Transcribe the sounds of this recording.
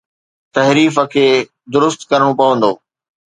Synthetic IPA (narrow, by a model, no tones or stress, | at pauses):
t̪ɐɦɾiːfəkʰeː | d̪ʊɾʊst̪kɐɾəɽ̃õpɐʋə̃nd̪oː